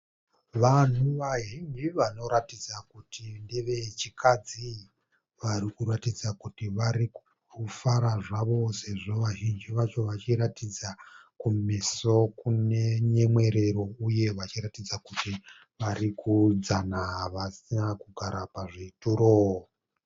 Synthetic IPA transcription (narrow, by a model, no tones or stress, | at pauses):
ʋan̤uʋaɦiŋɡiʋano̞ɾatid͡zakutʰindiʋe̞t͡ʃikʰad͡zi | ʋarikuɾatid͡zakutiʋaɾik | ufaɾaʐaʋo̞se̞ʐo̞ʋaʒind͡ʒiʋat͡ʃo̞ʋat͡ʃiɾatid͡zakumeso̞kuneɲe̞mwe̞ɾe̞ro̞uje̞ʋat͡ʃiɾatid͡zakuti | ʋarikud͡zanaʋasinakuɡʱaɾapaʐituɾo